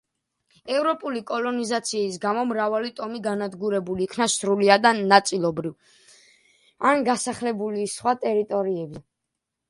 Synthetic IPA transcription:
ɛvɾɔpʼulikʼɔlˠɔnizat̪sʰiːs̬ɡamɔmɾavalit̪ʼɔmiɡanad̪ɡuɾɛbuliːkʰnasɾuliad̪anat̪sʼilˠɔbɾiv | anɡasaχlɛbulisχwat̪ʼɛɾit̪ʼɔɾiɛbi

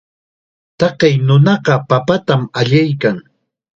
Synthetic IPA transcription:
t̪ɑqejnʊnɑɢɑpapat̪amaʎajkaŋ

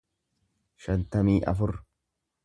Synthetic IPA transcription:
ʃɐnt̪ɐmiːʔɐ̰fʊɾ

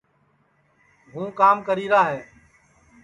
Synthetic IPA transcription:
ɦũːkaːmkəɾiːɾaːɦeː

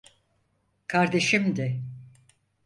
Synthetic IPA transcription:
kʰaɾd̪e̞ʃimd̪ɛ

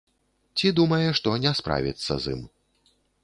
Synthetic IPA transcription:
t͡sʲid̪umɐjɛʂt̪ɔnʲɛspɾa̰vʲḭt̪sːɐ̰zḭm

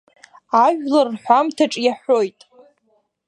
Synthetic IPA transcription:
aʒᶣlarħʷamtʰaʈ͡ʂʼjaħʷojtʼ

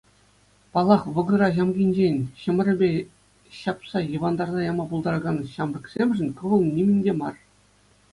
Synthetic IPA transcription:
pɑlˠɑχʋɤ̆ɡɤ̆ɾɑʑɑmɡʲinʲd͡ʑenʲɕɤ̆mʲɘ̆rʲɘ̆bʲe | ɕɑpsɑjɤ̆ʋɑnd̪ɑrzɑjɑmɑpulˠd̪ɑɾɡɑnɕɑmrɤ̆ksʲemʲʐɘ̆nʲkɤ̆ʋɤ̆lˠnʲimʲɘ̆nʲdʲemɑr

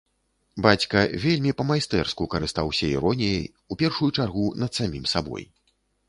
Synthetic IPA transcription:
bat͡sʲkɐvʲelʲmʲipɐmajst̪ɛrskukɐɾɨst̪awsʲɐiɾɔnʲijɐj | upʲɛrʂujut͡ʂarɣunɐt̪samʲimsabɔ̰j

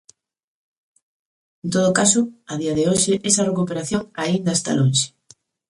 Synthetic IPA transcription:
ent̪oð̞ʊkasʊaðiɐðeoʃɪʔɛsɐrekupeɾaθjoŋaind̪ast̪a̰lonʃe̥

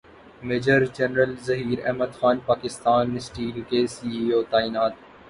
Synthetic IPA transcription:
meːd͡ʒəɾd͡ʒɐnɾəlzɐɦiːɾɛ̰ɦməd̪xaːnpaːkɪst̪aːnːesʈiːlkesiːioːt̪aːiːnaːt̪

